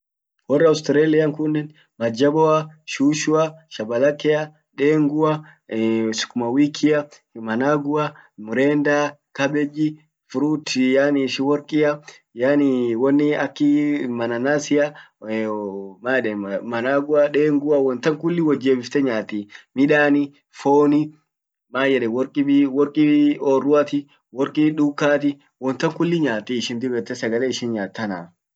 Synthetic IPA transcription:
wɔrːɐʊst̪ɪɾeːlɪjɐŋkʊnːɪn | mɐd͡ʒɐbɔɐʃuːʃʊaʃɐbɐlɐkːɛjɐ | ᶑeːŋɡʊa | sʊ̥kːʊmɐwiːkʰːɪjɐ | mɐnaːɡʊɐmʊɾeːnd̪aːkɐbɛd͡ʒi | fʊɾut̪janiʃɪwɔɾkʼɪja | janiwɔnːɪɐkːɪmɐnɐnaːsɪjɐ | maːjɛᶑɛmɐnaːɡʊɐᶑeːŋɡʊɐwɔnt̪ɐŋkʊlːɪwɐd͡ʒːeːbɪft̪ɛɲaːt̪ːiːmɪᶑaːnɪ | foːnɪ | maːjɛᶑɛwɔɾkʼɪbwɔɾkʼioːrːʊɐt̪ɪ | wɔɾkʼiᶑukːaːt̪ɪ | wɔnt̪ːɐŋkʊlːɪɲaːt̪ːiːɪʃɪnd̪ɪbɛt̪ːɛsɐɡɐleːɪʃɪnɲaːt̪ːɐna̰ː

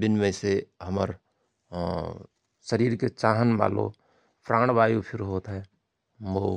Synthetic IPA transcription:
bɪnmẽseɦəmə̰ɾ | səɾiːɾket͡ʃaːɦənba̰ːlo̰ | pʰɾãːɽ̃baːjupʰɪɾɦoːt̪ɦɛː | moː

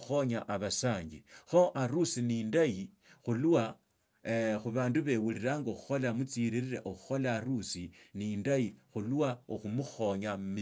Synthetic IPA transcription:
xo̞ɲaʔaβasaːɲɡixoʔaɾusinindai | xuluwa | xuβaːnduβe̞wuliɾaːŋɡaoxu̥xo̞lamut͡siɾiɾiɾa̰ʔoxu̥xo̞laːɾusinindaixuluwaoxumuxo̞ɲammi

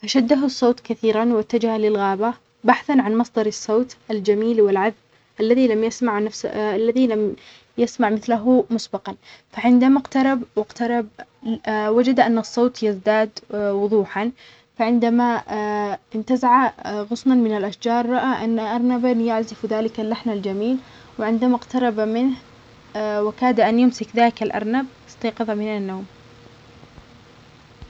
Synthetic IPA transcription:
faʃad̪ːaɦʊsˤːoːt̪kaθiːɾanwat̪ːad͡ʒahalɪlɣaːba | baħθanʕanmɑsˤd̪ˤɑɾˤɑsˤːoːt̪ʔald͡ʒamiːlwɪlʕaðb | ʔalːaðilamjasmaʕnafsalːaðilam | jasmaʕmɪθlaɦʊmʊsbɑqɑnfaʕɪnd̪amaqt̪ɑɾˤɑbwɪqt̪ɑɾˤɑb̚ | wad͡ʒad̪ʔanːɑsˤːoːt̪jɪzd̪aːd̪wʊðˤuːħan | faʕɪnd̪ama | ʔɪnt̪azaʕaɣʊsmanmɪnalʔaʃd͡ʒɑːɾˤːɑʔaʔanːaʔɑɾˤnabanjaʕzɪfðaːlɪkalːaħnald͡ʒamiːl | wɪʕɪnd̪amaqt̪ɑɾˤɑbamɪnh | wɪkaːd̪aʔanjʊmsɪkðaːkalʔɑ̰ɾˤnab | ɪ̥sˤt̪ɑːqɨðˤɑmɪnanːoːm

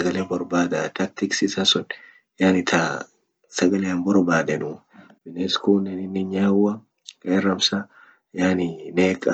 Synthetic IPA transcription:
ɐɡɐlebɔɾbaːd̪ɐt̪ɐk̚t̪ɪksɪsɐsʊn | jaːnɪt̪ʰɐ | sɐɡɐleɐmbɔɾbaːd̪ɐnu | bɪneskuːnːɛnɪnːɪɲɲaːwɐ | kɐːrːɐmsɐ | jaːnɪneːkʼɐ

